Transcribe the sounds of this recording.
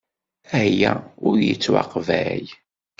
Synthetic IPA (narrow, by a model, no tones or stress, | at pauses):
æjæʊɾjət͡sːwɑ̰qvæj